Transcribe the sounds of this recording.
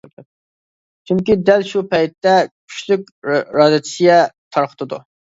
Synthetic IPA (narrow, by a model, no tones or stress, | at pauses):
t͡ʃʰyŋkʲid̪ɛlʃupʰɛjt̪ːɛkʲʰy̥ʃlyk̚ʲɾɑːd̪ɨt͡ʃ̪ʰi̥sɨɡʲɛt̪ʰɑɾqʰə̥t̪ʰɨd̪ṵ